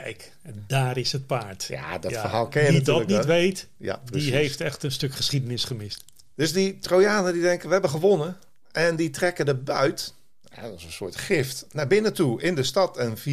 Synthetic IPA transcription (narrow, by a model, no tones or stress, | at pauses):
kɛjk | daːɾɪshət̚paːɹtja̰dɔfərɦaːlˠkɛnədɔtkniʋejt | ja̰pdiɦejftɛxtənstøkχəsχidənɪsχəmɪst | d̥øsditroːjaːnədidɛŋkəʋəɦɛbəxəʋonə | ɛnditrɛkədəbœɥt | a̰dɔsənsʊətχɪftnabɪnətuɪndəstɑtʰənfi